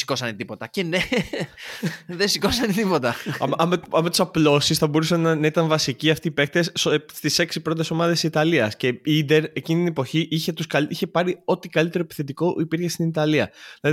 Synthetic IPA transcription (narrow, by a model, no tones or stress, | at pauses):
si̥ko̞sɐnet̪ipo̞t̪ɐcene | ðesiko̞sɐnet̪ipo̞t̪ɐɐ̰mɐmɐmet̪u̥sɐplo̞sisθɐbo̞ɾusɐnnɐit̪ɐɱvɐsiciɐft̪iːpe̞k̚t̪esst̪ise̞ksipɾot̪e̞so̞mɐðe̞ssit̪ɐliɐsce̞id̪e̞ɾe̞cinit̪inepo̞çiʔiçet̪uskɐliçe̞pɐɾio̞t̪ikɐlit̪e̞ɾoepi̥θe̞t̪iko̞ʔipiɾçe̞st̪init̪ɐliɐ̰ðilɐði